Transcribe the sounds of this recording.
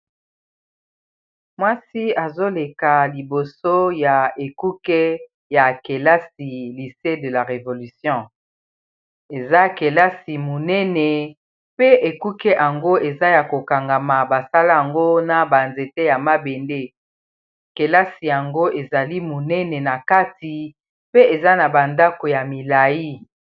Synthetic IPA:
mwa˦si˦a˨zo˦le˨ka˨li˨bo˨so˦ja˨e˨ku˦kɛ˦ | ja˨ke˨la˦si˨li˨se˦də˨la˨ʁe˨vo˨ly˨sjɔ̃˦ | e˨za˦ke˨la˦si˨mo˨nɛ˦nɛ˨ | pe˦e˨ku˦kɛ˦ʔa˨ŋɡo˦e˨za˦ja˨ko˨ka˨ŋɡa˨ma˨ba˨sa˦la˦a˨ŋɡo˦na˨ba˨nze˨te˦ja˨ma˦be˨nde˦ | ke˨la˦si˨ja˨ŋɡo˦ʔe˨za˨li˦mo˨nɛ˦nɛ˨na˨ka˦ti˨ | pe˦e˨za˦na˨ba˨nda˦ko˨ja˨mi˨la˨ji˦

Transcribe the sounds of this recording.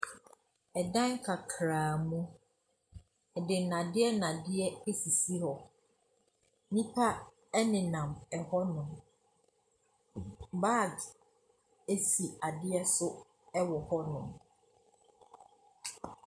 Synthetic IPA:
ɛ˨dã˦ŋ˦kʰa˨kʰɾaː˨mũ˦ | ɛ˨dɪ˨nã˨dɪ˦ɛ˦nã˨dɪ˦ɛ˦e˦si˨si˦hɔ˨ | nĩ˦pʰa˦ | ɛ˦nɪ̃˨nã˨mɛ˨hɔ˦nʊ̃˨m | baː˦˨d | e˦si˨a˨dɪ˦ɛ˦sʊ˦ | ɛ˦wɔ˨hɔ˦nʊ̰̃˨m

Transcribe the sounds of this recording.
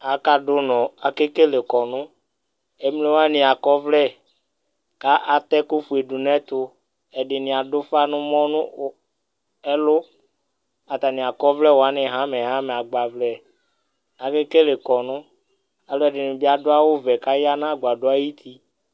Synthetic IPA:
a˨ka˦dʊ˦nɔ̃˨a˨ke˦ke˦le˨kɔ˨nʊ̃˦ | e˦m˦le˦wo˦a˦nɪ̃˨a˨kɔ˦vlɛ˦˨ | ka˦ʔa˨t̪ɛ˦kʊ˦fu˨e˨ɖu˨nɛ̃˦t̪ʊ˨ | ɛ˨ɖɪ˨nɪ̃˨a˨dʊ˦fa˦nʊ̃˦mɔ̃˦nʊ̃˦ | ɛ˦lʊ˦ | a˨t̪a˨nɪ̃˨a˨kɔ˦vlɛ˦wo˨a˦nɪ̃˨ɦã˦mɛ˨ɦã˦mɛ˨a˨ɡ͡ba˨vlɛ˨ | a˨ke˦ke˦le˨kɔ˨nʊ̃˦ | a˦lʊ˦ɛ˨ɖɪ˨nʊ̃˨bi˦a˦dʊ˦a˦wʊ˦vɛ˨ka˦ja˦nã˦˨ɡ͡ba˨dʊ˦a˦ji˦t̪ʰi˦

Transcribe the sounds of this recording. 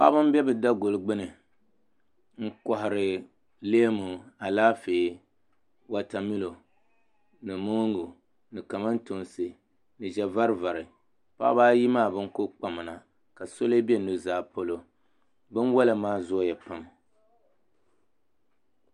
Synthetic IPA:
pa̰˦bɨ˦m˦bɛ˦bɨ˨da˦ɡo˨lɡ͡bɨ˦nɨ˨ | ŋ̩˦kɔ˨ɦɪ˨ɾɨ˨ | leː˦mu˨a˨laː˦feː˨ | wa˨ta˨mi˦lo˨ | nɨ˨mo˦ŋɡu˨ | nɨ˨ka˨ma˦n˦to˨nsɨ˨ | nɨ˨ʒɛ˨va˦ɾva˨ɾɨ˨ | pa̰ː˦baː˦ji˦maː˦˨bɨ˦ŋ˦ko˦k͡pa˨mɨ˨na˨ | ka˨so˦le˦bɛ˦nu˦˨zaː˦˨po˦lo˦ | bɨ˦n˦wa˦la˨maː˦zɔ˦jɛ˨pa˦m

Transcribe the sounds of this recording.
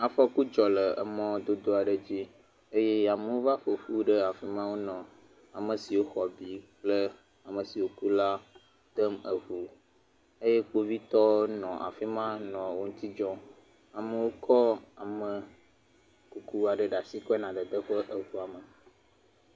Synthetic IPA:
a˨fɔ˦ku˦d͡ʒɔ˨lə˨ə˨mɔ̃˦d̪o˦d̪o˦a˨ɖə˨d͡ʑi˦ | e˦je˦ja˨mə̃˦wo˦va˦ɸo˨ɸu˦ɖə˦a˨fi˦mã˦wo˦nɔ̃˨ | a˨mə̃˨si˨wo˦xɔ˨bi˨k͡plə˦ | a˨mə̃˨si˨wo˦ku˦la˦ | d̪̥ə˦mə˨vu˨ | e˦je˦k͡po˦vi˦t̪ɔ˦nɔ̃˨ʔa̰˨fi˦mã˦nɔ̃˨wo˦ŋũ˦t̪i˦d͡ʒɔ˦ | a˨mə˦wo˦kʰɔ˦a˨mə̃˨ | ku˨ku˦a˨ɖə˨ɖa˨si˦kɔ˦ɛ˦nã˨d̪ə˨d̪ə˦ɸə˦ʔə˨vu˨a˨mə˨

